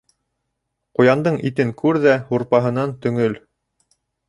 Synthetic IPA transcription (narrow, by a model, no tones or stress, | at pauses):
qŏjɑnd̪ɤɴit̪ɘŋkʉɾðæhuɾpɑɦɤ̆nɑnt̪ɵ̆ŋɵl